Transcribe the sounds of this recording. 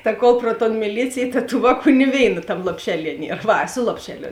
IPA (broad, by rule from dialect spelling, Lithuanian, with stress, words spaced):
tɐ ˈkoːlˠ proː toːn mʲɪˈlʲiːt͡sʲeːj tɐ tuː ˈʋɑːˌkuː nʲɪ ˈʋʲeːɪnɐ ˈtɐm lˠoːpʲˈʃʲæːˌlʲiɛ ˈnʲiɛr ˈʋɐ ˈsʊ lˠoːpʲʃʲɛˌlʲoː